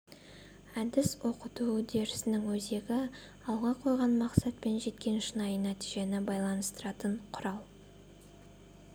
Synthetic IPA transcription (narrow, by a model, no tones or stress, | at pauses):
æd̪ɪswo̞qət̪ud̪e̞ɾɪsɪnɪŋwɵze̞ɡʲɪ | ɑlˠʁɑqʰo̞jʁɑnmɑqsɑt̪̚pe̞nʒe̞t̪kʲe̞nʃənɑjənæt̪iʒe̞nɪbɑjlˠɑnəst̪əɾɑt̪əɴqʰʊɾɑlˠ